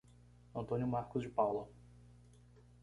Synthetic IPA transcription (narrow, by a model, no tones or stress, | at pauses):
ɐ̃nt̪õnjʊmaɾkʊzd͡ʒɪpawlɐ